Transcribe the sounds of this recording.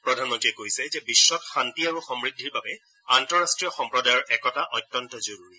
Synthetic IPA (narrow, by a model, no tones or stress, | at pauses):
pɹɔdʱanmɔntɹiɛkojsɛzɛbisːɔtxantiaɹuxɔmɹidʱːiɹbabɛ | antɔɹastɹijɔxɔmpɹɔdajɔɹʔɛkɔtaʔɔtːɔntɔzoɹuɹi